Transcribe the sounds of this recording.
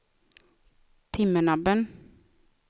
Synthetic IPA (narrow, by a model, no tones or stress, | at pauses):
t̪ʰɪmənɑbən